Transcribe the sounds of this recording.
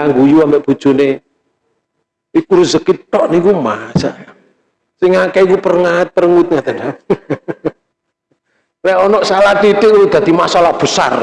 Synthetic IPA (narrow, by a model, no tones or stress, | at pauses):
ŋɡujuambeʔb̥ṳd̥ʒ̥ṳne | ikuɾzəkit̪ɔʔnikumasa̰ʔ | sɪŋːakɛik̬upərŋat̪̚pərəŋut̪̚ŋat̪ada | rɛʔɔnɔʔsalat̪it̪ɪkuud̪̥a̤d̪̥imasalahb̥əsa̰r